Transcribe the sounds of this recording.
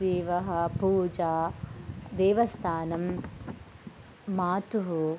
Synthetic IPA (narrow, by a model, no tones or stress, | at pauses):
eːʋɐɦɐ̆puːd͡ʒaː | d̪eːʋɐst̪ʰaːnɐm | aːt̪uɦu